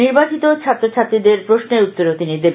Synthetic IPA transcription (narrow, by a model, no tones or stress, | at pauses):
iɾbat͡ɕit̪ot͡ɕʰat̪ːɾot͡ɕʰat̪ːɾid̪eɾpɾoʃneut̪ːoɾot̪inid̪eb